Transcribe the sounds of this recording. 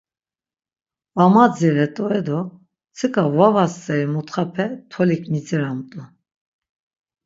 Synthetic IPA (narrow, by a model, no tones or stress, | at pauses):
vamad͡ziɾɛt̪ʼɔɛd̪ɔ | t͡sʰɨkʼavavast͡sʼɛɾimut̪χapʰɛt̪ʰɔlikʰmit͡sɛɾamt̪ʼu